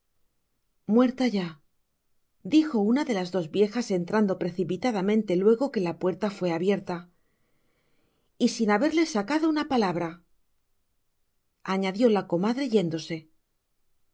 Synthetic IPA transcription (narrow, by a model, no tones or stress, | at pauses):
mwe̞ɾt̪aʝa | d̪ixo̞unaðe̞lazðo̞zβje̞xase̞nt̪ɾand̪o̞pɾe̞θipit̪aðamẽ̞nt̪e̞lwe̞ɣ̞o̞ke̞lapwe̞ɾt̪afwe̞aβje̞ɾt̪a | isinaβe̞ɾle̞sːakaðo̞unapalaβ̞ɾa | aɲaðjo̞lako̞maðɾeʝe̞nd̪o̞se̞